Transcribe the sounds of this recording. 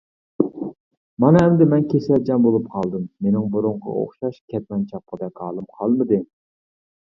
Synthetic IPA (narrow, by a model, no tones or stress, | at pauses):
mɑnɨɛmd̪ɪmɛnkʲʰesɛld͡ʒɑmbolˠup̚qʰɑlˠd̪ɨmːenɪŋbuɾʊɴqɑ̰o̰χʃɑʃkʲʰɛt̪̚mɛnt͡ʃʰɑp̚qəd̪ɛkʲɑːlˠɨmqʰɑlˠmɨd̪ɨ